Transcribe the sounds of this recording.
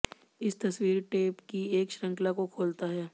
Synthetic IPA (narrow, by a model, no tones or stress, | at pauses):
ɪst̪ɐswiːɾʈeːpkieːkʃɾə̃ŋklakokʰoːlt̪aɦɛː